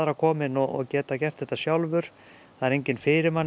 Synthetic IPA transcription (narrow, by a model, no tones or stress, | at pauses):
aɾakʰɔːmɪnɔɔ̰cɛːt̪acɛr̥t̪θɛht̪ːasjawlvʏɾ̥ | θaðɛɾejɲcɪnfɪːɾɪɾman